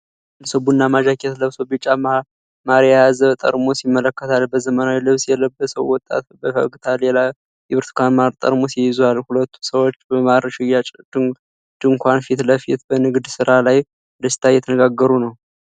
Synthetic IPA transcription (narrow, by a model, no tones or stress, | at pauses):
ləsɨbunːamaʒakʰet̪ləβsobit͡ʃʼam | maɾajazət̪ʼə̰ɾmosjɪmːələkːət̪ʰalbəzəmənawilɨβsjɛləbːəsəwwːɔt̪ʼːa̰t̪bəfə̰ɡt̪ʰalɛla | jɛβɨɾt̪ʰkʰʷanmaɾt̪ʼə̰ɾmosiɪzualhulət̪ʰːu̥səwo̞t͡ʃːbəmaɾʃɪjːat͡ʃʼ | d̪̥ɨŋkʷanfit̪ləfit̪bənɨɡd̪sɨɾalaj | ɨnd̪əsi̥t̪ʰajːɛt̪ʰənəɡaɡːəɾunəw